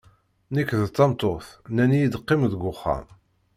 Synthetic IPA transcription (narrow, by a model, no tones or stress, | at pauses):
nikːðət͡s̪ːɑmt̪oθnænijid̪əqːimðɡʊχːa̰m